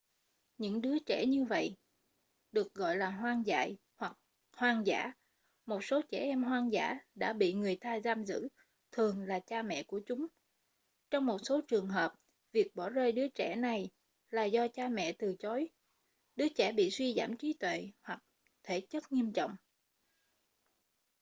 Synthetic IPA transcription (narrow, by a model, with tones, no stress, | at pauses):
ɲɨ̰˧˥ŋɗɨ˨˦ət͡ɕɛ˧˩ɲɨ˧və̰˧˨j | ɗɨ˨˩ək̚ɣɔ̰˧˨jlaː˨˩ɦwaː˧ŋza̰ː˧˨j | hwa˨˩k̚ | hwaː˧ŋza̰ː˧˥ | mo˨˩t̚so˨˦t͡ɕɛ˧˩ʔɛ˧mɦwaː˧ŋza̰ː˧˥ɗa̰ː˧˥ɓḭ˧˨ŋɨ˨˩əjt̪aː˧jzaː˧mzɨ̰˧˥ | t̪ʰɨ˨˩əŋlaː˨˩t͡ɕaː˧mɛ̰˧˨ku˧˩ət͡ɕʊ˨˦ŋ͡m | t͡ɕɔ˧wŋ͡mmo˨˩t̚so˨˦t͡ɕɨ˨˩əŋɦəː˨˩p̚ | vi˨˩ək̚ɓɔ˧˩zəː˧jɗɨ˨˦ət͡ɕɛ˧˩na˨˩j | laː˨˩zɔ˧t͡ɕaː˧mɛ̰˧˨t̪ɨ˨˩t͡ɕo˨˦j | ɗɨ˨˦ət͡ɕɛ˧˩ɓḭ˧˨swi˧za̰ː˧˩mt͡ɕi˨˦t̪wḛ˧˨hwa˨˩k̚ | t̪ʰe˧˩t͡ɕə˦˥t̚ŋi˧əmt͡ɕɔ̰˧˨wŋ͡m